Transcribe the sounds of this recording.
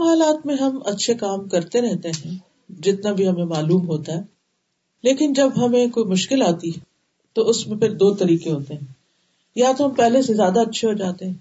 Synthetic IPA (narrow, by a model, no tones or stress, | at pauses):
ɦaːlaːt̪mẽɦɐmɐtːʃʰekaːmkɐɾt̪eɾɛɦt̪eɦɛ̃ː | d͡ʒɪt̪nabʱiɦɐmẽmaːluːmɦoːt̪aɦɛː | leːkɪnd͡ʒɐbɦɐmẽkoːimʊʃkɪlaːt̪i | t̪oʊsmẽpʰɪɾd̪oːt̪ɐɾiːkeɦoːt̪eɦɛ̃ː | jɐɦat̪oɦɐmpɛɦlesezjaːd̪aɐtːʃʰeɦod͡ʒaːt̪eɦɛ̃ː